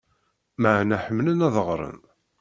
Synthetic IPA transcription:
məʕnæħəmːlənæðəʁɾˤə̰n

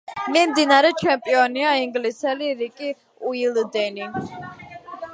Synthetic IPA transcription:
mɛmd̪inaɾɛt͡ʃʰɛmpʼiɔniaiŋɡlisɛliɾikʼi | uild̪ɛni

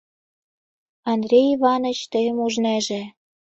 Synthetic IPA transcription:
ɑnd̪rʲeiβɑnə̆t͡ɕt̪əjəmuʒnæʒĕ

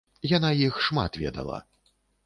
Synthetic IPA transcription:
janajixʂma̰t̪vʲɛ̰d̪ɐ̰lˠɐ̰

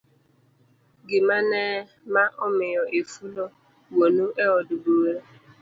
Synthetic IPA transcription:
ɡɪmanɛː | maʔʊmɪjɔʔefulɔ | wonuʔeɔdʊbuweɾ

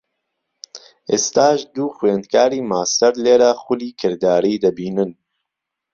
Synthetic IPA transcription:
ʔeːst̪aːʒd̪uːxweːnd̪̚kʰaːɾiːmaːst̪ɛɾleːɾaxʊliːkʰɨɾd̪aːɾiːd̪ɐbiːnɨn

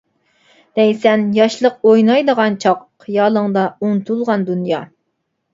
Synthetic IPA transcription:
d̪̥ɛjsɛnjɑʃlˠəq̚ojnɑjd̪əʁɑnt͡ʃʰɑqː | jɑːlˠəŋd̪ɑunt̪ʰulˠʁɑnd̪unjɑ

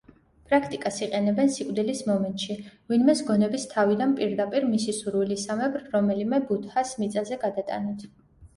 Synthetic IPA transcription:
pʼɾakʰt̪ʼikʼasiqʼɛnɛbɛnsikʼd̪ilismɔmɛnt̪ʼʃivinmɛsɡɔnɛbist̪ʰavid̪anpʼiɾd̪apʼiɾmisisuɾvilisamɛbɾːɔmɛlimɛbut̪ʰhasmit̪sʼazɛɡad̪at̪ʼa̰nit̪ʰ

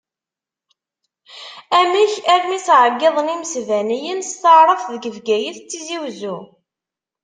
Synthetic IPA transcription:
æmiçæɾnisʕəɡːeðˤniməsvænijənst̪əʕɾˤəθðəɡəvɡæjəθt͡sːiziwzu

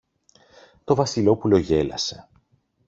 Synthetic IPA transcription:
t̪o̞vɐsilo̞pulo̞ʝe̞lɐ̰se̞

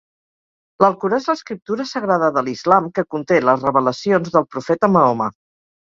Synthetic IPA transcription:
ləlˠkuɾaezləskɾip̚t̪uɾəsəɣɾaðəðəlizlamkəkunt̪eləzrəβələsionzðəlˠpɾufɛt̪əməomə

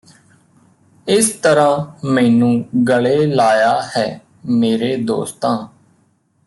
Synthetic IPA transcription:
ɪst̪əɾãːmɛ̃ːnũːɡəɭeːlaːjaːhɛː | meːɾeːd̪o̰ːst̪ãː

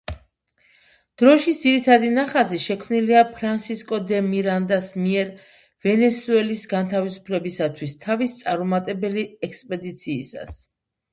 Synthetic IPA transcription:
d̪̥ɾɔʃid̪ziɾit̪ʰad̪inaχaziʃɛkʰmniliapʰɾansiskʼɔd̪ɛmiɾand̪asmiɛɾ | vɛnɛsuɛlisɡant̪ʰavisu̥pʰlɛbisat̪ʰwist̪ʰavist̪sʼaɾɔmat̪ʼɛbɛliɛkspʼɛd̪it̪sʰiːsa̰s

